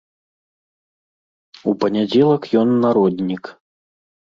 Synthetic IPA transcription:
upɐnʲad͡zʲɛlˠɐkjɔnːaɾɔd̪ʲnʲik

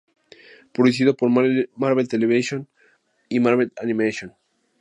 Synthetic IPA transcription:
pɾoðus̬iðopoɾmaɾβelt̪eleβiʃjon | imaɾβelanĩmeʃjon

